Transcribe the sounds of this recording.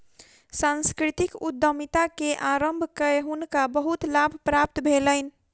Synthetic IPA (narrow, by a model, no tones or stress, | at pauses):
sãnskɾit̪ikud̪ːəmit̪akeʔaɾəmbʱkəeɦunkabəɦut̪labʱpɾap̚t̪bʱeləɪn